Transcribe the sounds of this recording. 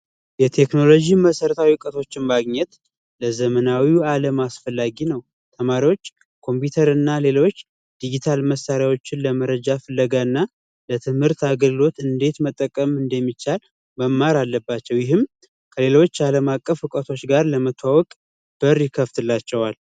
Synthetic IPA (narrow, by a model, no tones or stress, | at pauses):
jɛt̪ʰe̞kno̞lo̞d͡ʒiməsəɾət̪ʰawikʼət̪ʰo̞t͡ʃːɪnmaɡɲɛt̪ | ləzəmənawialəmasfəlːaɡinəw | t̪ʰəmaɾiwo̞t͡ʃː | kʰo̞mput̪ʰəɾɨnːale̞lo̞t͡ʃː | d̪̥id͡ʒit̪ʰalməsːaɾjawo̞t͡ʃːɪnləməɾəd͡ʒafəlːəɡaɨnːa | lət̪ʰɨmhɨɾt̪aɡəɡɨlo̞t̪ɨnd̪e̞t̪mət̪ʼːəkʼːəmɨnd̪əmːit͡ʃːal | məmːaɾalːəbːat͡ʃːɛwjɪɦɨm | kʰəle̞lo̞t͡ʃːaləmakʼːəfɨkʼət̪ʰo̞t͡ʃːɡaɾləmət̪ʰːwawɔkʼ | b̥əɾjɪkʰːəft̪ʰɨlːat͡ʃːɛwal